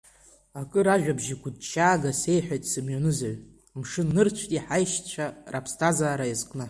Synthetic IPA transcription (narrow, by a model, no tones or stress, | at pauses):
akʼɨɾaʒᶣabʒiɡʷʊd̚t͡ʃʼːaːɡase̞jħʷᶣajtʼsɨmɥanɨzaɥ | mʂɨnːɨrt͡ɕʷʰtʼiħajʃt͡ɕʷʰarapʰstʰʼazaːɾaizkʼnɨ